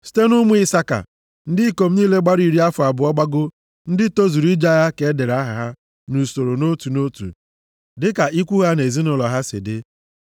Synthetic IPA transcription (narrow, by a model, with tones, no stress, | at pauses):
si̥˦te˦nu˦mu˦i˦sa˦ka̰˨ | n̩˦dɪ˦ko˨m̩˦niː˦le˦ɡ͡ba˦ɾi˨ɾi˦a˦fʊ˨a˨bʊ˨ɔ˦ɡ͡ba˦ɡʊ˦ | n̩˦dɪ˦to˦zu˨ɾi˦d͡ʒa˦ɣa˦ke˨˦de˨ɾa˦ɦa˨ɦa˦ | nu˨so˨ɾo˨no˦tu˨no˦tṵ˨ | dɪ˦ka˨ʔi˦kʷu˦ɣa˦ne˨zi˦nʊ˨lɔ˨ɦa˦sɪ̰˨dɪ˦